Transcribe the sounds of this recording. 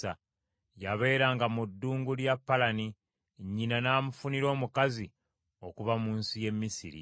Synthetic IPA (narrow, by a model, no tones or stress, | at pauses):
a | jaβe̞ːɾaːŋɡamudːuːŋɡuljapːalani | ɲːinanaːmufuniɾo̞ːmukazi | o̞kuβamuːnsije̞mːisḭɾḭ